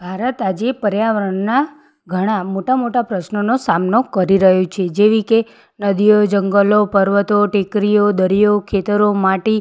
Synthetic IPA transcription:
bʱaɾət̪ad͡ʒepəɾjaʋɾəɳna | ɡʱəɽ̃amoʈamoʈapɾəʃnənosamnokəɾiɾəɦjot͡ʃʰed͡ʒeʋike | nəd̪ijod͡ʒəŋɡəlopəɾʋət̪oʈekɾijod̪əɾijokʰet̪əɾomaʈi

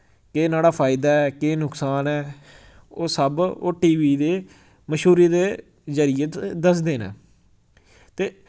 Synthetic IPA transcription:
keːnaːɽaːpʰaːɪd̪aːɛːkeːnʊksaːnɛː | oːsəbo̰ːʈiːʋiːd̪eː | məʃɦuːɾiːd̪eː | zəɾɪjət̪d̪əs̬d̪eːnḛ̃ː | t̪eː

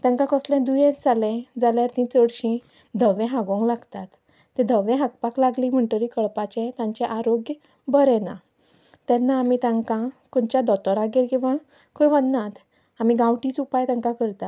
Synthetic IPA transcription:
t̪ɛ̃ŋkãkɔslɛ̃d̪ujɛ̃d͡zalɛ̃d͡zaljaɾt̪ĩt͡səɽɕĩ | d̪ʱəʋɛ̃ɦaɡɔ̃ŋɡlaɡt̪at̪ː | ɛ̃d̪ʱəʋɛ̃ɦaɡpaklaɡlĩm̤əɳʈəɾikəɭpat͡ɕɛ̃t̪ãɲt͡ɕɛʔaɾoɡj | bəɾɛna̰ | t̪ɛnːaːmit̪ãŋkãkɔnt͡ɕjad̪ɔt̪ɔɾaɡeɾɡĩʋəɳ | kʰojʋənːat̪ | amiɡãʋʈit͡supajt̪ɛ̃ŋkakəɾt̪at̪

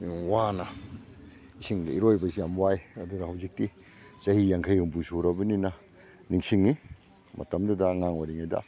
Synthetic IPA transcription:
wanɐ | isiŋdɐiɾojbɐsijamwajɐdunɐhɐwzik̚ti | t͡ʃɐhijaŋkʰɐjhɯmbusuɾɐbɐninɐ | niŋsiŋːi | mʔɐ̰tɐmdudɐːŋaŋwaɾiŋajdɐ̰

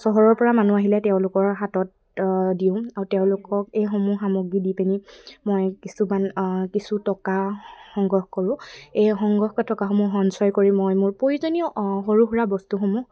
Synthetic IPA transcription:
sɔɦɔɹɔɹpɔɹamanuaɦilɛtɛʊ̃lʊkɔɹɦatɔt̚ | diʊ̃aɹuteʊ̃lʊkɔkejxomuxamoɡidipenimojkisumankisutɔkaxɔŋɡɔxkɔɹʊ̃ejxɔŋɡɔxkɔtɔkaɦomuxɔnsɔjkoɹimːɔjmʊɹpoɹizɔniɔxoɹuxɹabɔstuxomu

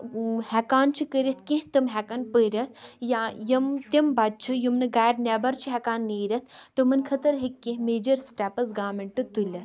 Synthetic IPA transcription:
hɛkaːnt͡ʃʰikəɾʲɐt̪ʰkẽɦt̪ɨmɦɛkɐnpəːɾʲɐt̪ʰjajɐmt̪ɐmbɐt͡ʃʰɨjumnɨɡaːjɾnʲɛːbɐɾt͡ʃʰiɦɛkaːnːeːɾʲɐt̪̚ʰt̪ɨmɨnkʰɐt̪ɐɾɦikːẽɦmeːd͡ʒɐɾsʈɛːpɐsɡaːmeɳʈɨt̪ulʲɐt̪

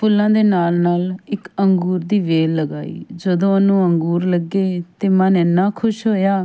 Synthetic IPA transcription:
pʊlːãːd̪eːnaːlnaːlɪkəŋɡuːɾd̪iːʋeːlːəɡa̰ːḭːd͡ʒəd̪õːənũːəŋɡuːɾləɡeːt̪eːmənɪnːaːkʰʊʃɦoːjaː

